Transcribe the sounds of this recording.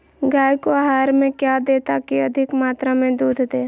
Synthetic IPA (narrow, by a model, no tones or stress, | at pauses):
ɡaːjkoaɦaːɾmẽkjad̪eːt̪akiɐd̪ʱɪkmaːt̪ɾamẽd̪uːd̪ʱd̪eː